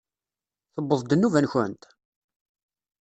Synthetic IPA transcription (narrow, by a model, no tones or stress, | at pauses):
θəbːəðˤd̪ənːuvænçə̰nt̪